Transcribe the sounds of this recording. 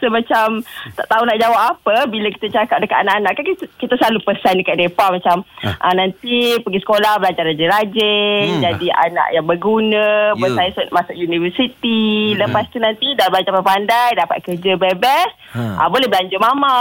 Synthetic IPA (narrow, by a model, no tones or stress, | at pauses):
səmat͡ʃamt̪a̰ʔt̪aunaʔd͡ʒawaʔapəbiləki̥t̪at͡ʃakap̚dəkat̪anaʔanaʔkankikit̪aslalupəsandəkaʔ̚depahmat͡ʃamʔanant̪ipəɡisə̥kolahbəlaɲd͡ʒarad͡ʒɛɾad͡ʒed͡ʒadia̰na̰ʔjaŋbəɡunə̃bənsajst̪masʊʔjunivəsit̪iləpast̪unant̪idalblaɲd͡ʒapapandajdapa̰t̪̚kərd͡ʒəbɛbɛs | ʔa̰bolehbəlaɲd͡ʒʊmama